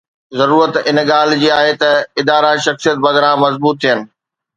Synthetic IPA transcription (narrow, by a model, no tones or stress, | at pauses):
zɐɾuːɾət̪ɪnɠaːl̤d͡ʑiːaːɦet̪ɐɪd̪aːɾaʃɐxsijət̪̚bɐɣɾãmɐzbuːt̪ʰːijənɪ̆